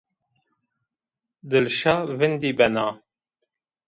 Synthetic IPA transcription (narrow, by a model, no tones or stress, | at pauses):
d̪ɨlʃɑːvɪnd̪iːbɛnɑː